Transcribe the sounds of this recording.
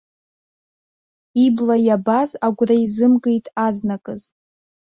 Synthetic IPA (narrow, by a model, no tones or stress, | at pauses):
iblajabazaɡʷraizɨmɡejtʼaznakʼɨztʼ